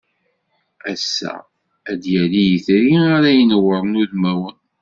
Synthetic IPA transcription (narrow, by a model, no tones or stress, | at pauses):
æsːæ̰ | æd̪jælijiθɾiaɾæjənəwəɾˤnuðmæwən